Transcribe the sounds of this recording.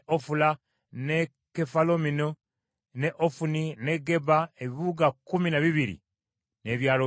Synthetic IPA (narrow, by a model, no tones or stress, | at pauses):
ʔofula | ne | kefalomino | neʔofunine̞ɡe̞baeβiβuɡakuminaβiβiɾḭ | ne̞ːβjaːlo